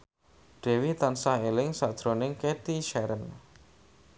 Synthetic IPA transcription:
ɖ̥ɛ̤wit̪ansaɦelɪŋsad̥ʒ̥ɾonɪŋket̪iʃɛɾən

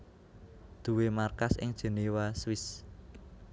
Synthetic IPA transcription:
d̪̥ṳwemarkasɪ̰ŋd̥ʒ̥e̤niwaswɪs

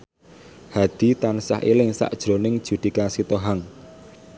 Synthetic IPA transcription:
had̪̥i̤t̪ansa̰hḭlɪŋsa̰ʔd̥ʒ̥ɾo̤nɪŋd̥ʒ̥ud̪̥i̤kasit̪oɦaŋ

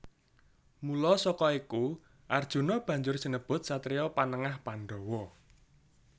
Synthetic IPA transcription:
mulɔsɔkɔiku | ʔard̥ʒ̥ṳnɔb̥ä̤ɲd͡ʒʊr̥sənəb̥ʊ̤t̪̚sat̪ɾeɔpanəŋahpanɖ̪ɔwɔ

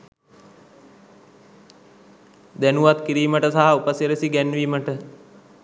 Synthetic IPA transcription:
d̪ænuʋat̪kiɾiːməʈəsaɦaupəsiɾəsiɡænʋiməʈə

